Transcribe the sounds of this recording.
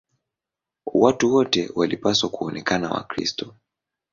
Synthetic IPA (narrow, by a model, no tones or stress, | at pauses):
watuwɔtɛwalipaswakuɔnɛkanawa̰kɾḭstɔ